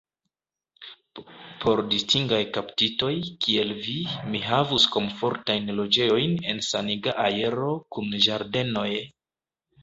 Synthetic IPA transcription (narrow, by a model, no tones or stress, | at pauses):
pʰo̞ɾdistiŋɡajkaptito̞jkʰie̞lvimiɦavusko̞mfo̞ɾtajnlo̞d͡ʒe̞jo̞jne̞nsaniɡaʔaje̞ɾo̞kunʒaɾde̞no̞j